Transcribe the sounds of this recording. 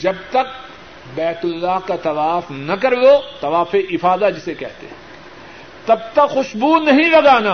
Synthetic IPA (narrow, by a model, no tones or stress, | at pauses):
d͡ʒɐbt̪ɐk̚ | bɛːt̪ʊlːaɦkat̪ɐʋaːfnɐkɐɾlot̪ɐʋaːfeʔɪfaːd̪ad͡ʒɪsekɛɦt̪ḛɛ̃ | t̪ɐb̚t̪ɐkxʊʃbunɐɦĩlɐɡaːnaː